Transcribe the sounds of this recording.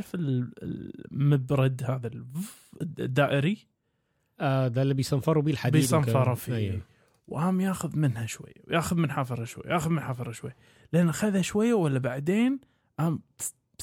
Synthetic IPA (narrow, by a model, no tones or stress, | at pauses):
ɾfɪl̰ | mʊbɾˤɑd̪haːðal | d̪ːaːʔɪɾi | ʔad̪alːibɪjst̪anfɑɾˤwbiːlħad̪biːst̪amfɑɾˤɑfi | wʔaːmjaːxʊðmɪnhaʃwa̰jːa̰wjaːxʊðmɪnħaːfɨɾˤɑʃwa̰jːajaːxʊðmɪnħaːfɨɾˤɑʃwajːa | lʔanːxaðhaʃwajːawalːabaʕd̪eːn | ʔaːm